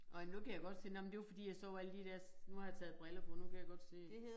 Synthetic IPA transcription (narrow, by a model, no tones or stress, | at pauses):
ɒnukʰæjaɡ̥ɒ̽d̥sḭːnɒmnd̥e̝jfɒd̥ḭːjɑ̈sɒʊæləd̥id̥æɐ̰snuhɑ̈jɑt͡sʰɛ̰ːð̩ˠb̥ʁɛlɐpʰɒ̽nukʰæjaɡ̥ɒ̽d̥sḛː